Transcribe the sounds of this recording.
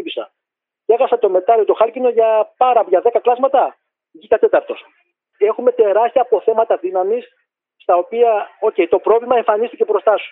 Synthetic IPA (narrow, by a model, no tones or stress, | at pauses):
pisɐ̰ | ceɣɐsɐt̪o̞me̞t̪ɐɾiot̪o̞xɐlcino̞ʝɐpɐɾɐpʝɐðe̞kɐklɐzmɐt̪ɐ | ʝik̪ɐt̪e̞t̪ɐɾt̪o̞s | e̞xume̞t̪e̞ɾɐst̪ijɐːpo̞θe̞mɐt̪ɐðinɐmis | st̪ɐo̞piɐo̞ce̞jt̪o̞pɾo̞vlimɐe̞ɱfɐnist̪ice̞bɾo̞st̪ɐsu̥